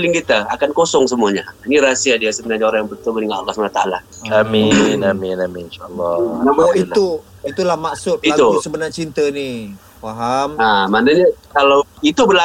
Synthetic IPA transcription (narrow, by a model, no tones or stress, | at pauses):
lɪŋkit̪aakankosɔŋs̬əmuaɲainiɾasiadiasəbənaɲaoɾaŋjaŋbət̪ʊlməniŋana̰lːasmaat̪aa̰la | kaminaminaminʃalːɔnamaiu | it̪ulahmaksʊt̪̚iat̪usəbənat͡ʃint̪əni | faɦamamanaɲakalawit̪ubəla